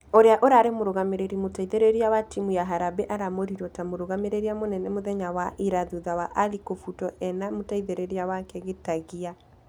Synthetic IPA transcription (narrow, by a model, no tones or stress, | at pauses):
oɾeaʔoɾaɾemoɾoɣameɾeɾimotaiðeɾeɾiawatimujaɦaɾabeʔaɾamoɾiɾɔtamoɾoɣameɾeɾiamonɛnɛmoðɛɲawaʔiɾaðuðawaʔalikofutɔɛnamotaiðeɾeɾeawakɛɣetaɣia